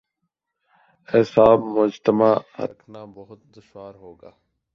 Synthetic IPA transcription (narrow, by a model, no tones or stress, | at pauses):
hɪsaːbmʊd͡ʒt̪əma̰ːnaːbəɦʊt̪̚d̪əʃwaːɾɦoːɡaː